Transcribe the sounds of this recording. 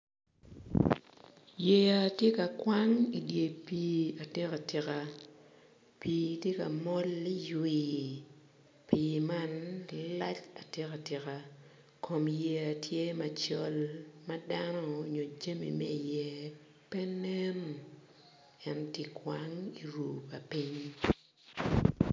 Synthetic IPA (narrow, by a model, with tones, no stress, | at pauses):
je˨a˨tje˦ka˨kwa˦ŋi˨dje˨pi˨a˨te˦ka˨tɪ˨ka˨ | pi˨tje˦ka̰˨mɔ˦li˦jwi˨ | pi˨ma˦n˦la˦t͡ʃa˨tɛ˦ka˨tɪ˨ka˨ | kʰo˨mje˨a˨tʰje˦ma˨t͡ʃɔ˦lmɐ˦da˦nɔ˦o˨ɲo˨d͡ʒe˦mḭ˨mɛ˦i˨jɛ˨ | pɛ˦ne˦m | ɛ˦nti˦kwaŋi˨ɾu˨pa˨pi˦ɲ